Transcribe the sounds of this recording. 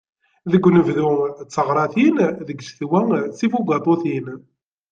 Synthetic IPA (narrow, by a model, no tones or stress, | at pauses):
ðəɡʷːnəvðut͡sːəʁɾˤɑθinðəɡʃθwæsifuɡɑt̪ˤoθin